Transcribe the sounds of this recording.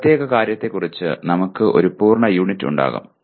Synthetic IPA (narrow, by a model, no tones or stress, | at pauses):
t̪jeːɣɐkaːɾjɐt̪ːe̞kːurit͡ɕːɨ̰nɐmukːɨʔo̞ɾupuːrɳɐjuːɳitːṵɳɖa̰ːɣṵm